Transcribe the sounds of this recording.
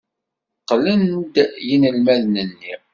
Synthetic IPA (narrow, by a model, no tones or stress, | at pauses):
qːlənd̪jinəlmæðnənːi